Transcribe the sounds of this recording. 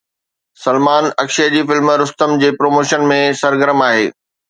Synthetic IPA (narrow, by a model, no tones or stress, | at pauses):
sɐlmaːnɐkʃiəd͡ʑiːfɪlmɾʊst̪əmd͡ʑeːpɾoːmoːʃənmẽsɐɾɡəɾəmaːɦeː